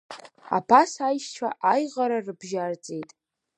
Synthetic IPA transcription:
a̰pʰasajʃt͡ʃʷʰa̰ʔajʁaɾarɨbʒart͡sʼe̞jtʼ

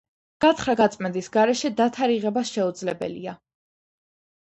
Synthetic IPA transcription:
ɡ̥at̪ʰχɾaɡat̪sʼmɛnd̪isɡaɾɛʃɛd̪at̪ʰaɾiʁɛbasʃɛud̪zlɛbɛ̰lḭa

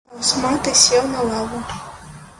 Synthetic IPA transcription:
wsmat̪ɨsʲɛwnɐlˠavu

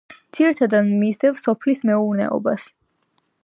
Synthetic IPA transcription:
md̪z̥iɾit̪ʰad̪ad̪mizd̪ɛvsɔpʰlismɛuɾnɛ̰ɔ̰bas

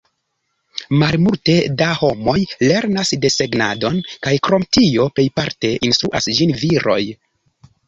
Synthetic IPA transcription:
malmulte̞daho̞mo̞jle̞ɾnasde̞se̞ɡnado̞nkajkɾo̞mtio̞pe̞jpaɾte̞ʔinstɾuʔa̰sd͡ʒinviɾʔo̞̰j

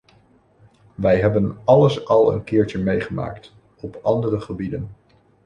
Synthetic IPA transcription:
ʋɛjɦɛbənɑləsɑlˠə̰nkɪːɹt͡ʃəmejχəma̰ːkt | ɔpɑndərəχəbidən

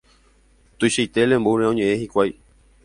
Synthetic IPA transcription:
t̪ujʃajt̪e̞lẽ̞mbuɾeõɲẽ̞ʔẽhikʷaj

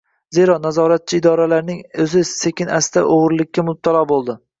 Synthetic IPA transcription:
ze̞ɾɒnazɒɾat̪̚t͡ʃʰɪɪd̪ɒɾalaɾnɪŋɵzɪse̞kʲɪnast̪aʔoʁɾlɪkʲːamʊb̚t̪ʰalˠɒbolˠd̪ɪ

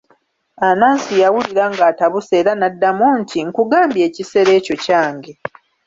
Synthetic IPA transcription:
anaːnsijawuliɾaŋɡaːtaβuse̞ːɾanadːamontʰiŋkuɡaːmbje̞ːcise̞ɾe̞ːco̞caːŋɡe

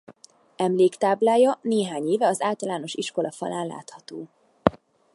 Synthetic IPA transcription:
ɛmleːkt̪aːblaːjɒneːɦaːɲeːvɛɒzaːlt̪ɒlaːno̞ʃiʃko̞lɒfɒ̰laːnla̰ːt̪hɒt̪oː

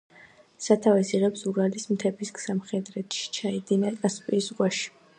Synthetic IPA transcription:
sat̪ʰavɛsiʁɛpsuɾalismt̪ʰɛbisksamχɛd̪ɾɛt̪ʰʃi̥t͡ʃʰaid̪inakʼaspʼiːsɡwaʃi̥

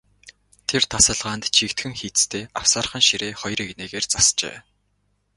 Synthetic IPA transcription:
t̪ʰert̪ʰasə̆ɮʁaːnt̪t͡ɕʰikt̪xɘ̆ŋxiːt͡st̪ʰeːawsaːr̆χə̆nʃiɾeːχɔjrikneːɣeːrt͡sast͡ɕḛː

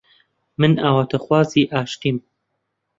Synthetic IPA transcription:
mɨnaːwat̪ʰɐxwaːziːʔaːʃt̪iːm

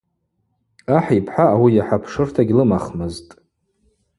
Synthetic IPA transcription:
aħipʰħaːwijaħapʰʂɨrtʰaɡʲlɨmaχmɨztʼ

